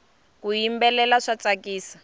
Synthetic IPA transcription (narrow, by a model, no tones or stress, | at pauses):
kujimbɛlɛlaʂat͡sakiːsḁ